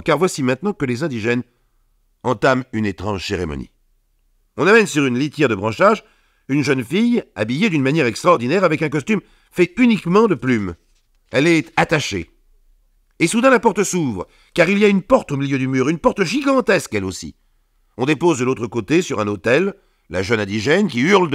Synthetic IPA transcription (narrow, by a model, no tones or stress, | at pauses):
kaʁvwasimɛ̃t̪nɑ̃kəlezɛ̃d̪iʒɛn | ɑ̃t̪amynet̪χɑ̰̃ʒseʁḛmɔ̰nḭ | ɔ̃namɛnsyʁynlit̪jɛʁd̪əbʁɑ̃ʃaʒ | ynʒənfija̰bijed̪ynmanjɛʁɛkst̪χɔʁd̪inɛʁavɛkɛ̃kɔst̪ym | fɛynikmɑ̃d̪əplym | ɛlɛt̪at̪aʃḛ | esud̪ɛ̃lapɔʁt̪suvʁ | kaʁiliaynpɔʁt̪omiljød̪ymyːʁynpɔʁt̪ʒiɡɑ̃t̪ɛskɛlosḭ | ɔ̃d̪epozd̪əlot̪χəkot̪esyʁɛ̃not̪ɛlː | a̰ʒœnɛ̃d̪iʒɛnkʲiyʁld̪